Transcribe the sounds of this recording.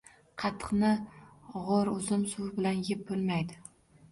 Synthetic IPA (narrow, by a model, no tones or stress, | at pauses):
qʰɑt̪ʰːɨ̥qnɪʁoɾʊzɪmsʊwbɪlanjɪp̚bolˠmajd̪ɪ